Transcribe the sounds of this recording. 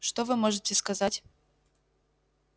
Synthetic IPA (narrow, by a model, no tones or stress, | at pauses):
ʂt̪ɔvɨmoʐɨtʲɪskɐzatʲ